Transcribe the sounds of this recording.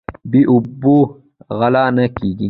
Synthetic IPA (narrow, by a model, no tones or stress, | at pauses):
biʔʊbːu | ɣɐlaːnɐkiɡi